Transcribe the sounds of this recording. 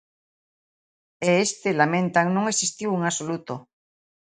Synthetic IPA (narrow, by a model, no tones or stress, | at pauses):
eest̪elamẽnt̪aŋnõŋesist̪iweŋasolut̪o